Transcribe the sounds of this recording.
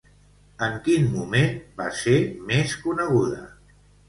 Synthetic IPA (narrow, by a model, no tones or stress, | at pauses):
əŋkinmumenba̰semeskunəɣ̞uðə̰